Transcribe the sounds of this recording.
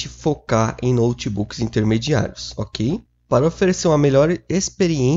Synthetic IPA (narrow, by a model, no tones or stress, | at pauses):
t͡ʃɪfokaɾḛ̃j̃nowt͡ʃibukɪz̥ĩnt̪eɾmed͡ʒia̰ɾjʊsokʰej | paɾɐofeɾeseɾũɐmeʎɔɾespeɾiẽ